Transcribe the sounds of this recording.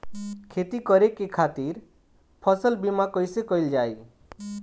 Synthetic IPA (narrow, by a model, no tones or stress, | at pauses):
kʰet̪ikɔɾekekʰat̪iɾ | pʰɔsəlbimakɔjsekɔjld͡ʒaj